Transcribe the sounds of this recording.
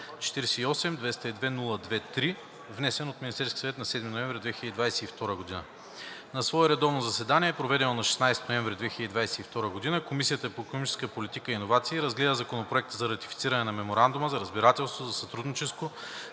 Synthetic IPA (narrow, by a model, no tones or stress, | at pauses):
t͡ʃɛ̥t̪iɾɛsɛiɔsɛmd̪vɛst̪əid̪vɛnulˠəd̪vɛt̪ɾi | vnɛsɛnot̪minist̪ɛɾskʲi̥svɛt̪nɐsɛd̪minovɛ̃ɱvɾʲid̪vɛxiləd̪id̪vajsɛift̪ɔɾəɡod̪inə̰ | nɐsvɔɛɾɛd̪ɔvnozɐsɛd̪aniɛːpɾovɛd̪ɛnonɐʃɛ̥snajst̪noɛɱvɾʲid̪vɛxiləd̪id̪vajsɛ̥ift̪ɔɾəɡod̪inəkomisijət̪əpoɛkonomit͡ʃɛ̥skəpolit̪ikəinovat̪siːɾɐzɡlɛd̪əzɐkonopɾoɛk̚t̪əzɐɾɐt̪i̥fit̪siɾɐnɛnɐmɛmoɾand̪uməzɐɾəzbiɾat̪ɛlˠst̪vozɐsɐt̪ɾud̪nit͡ʃɛst̪vo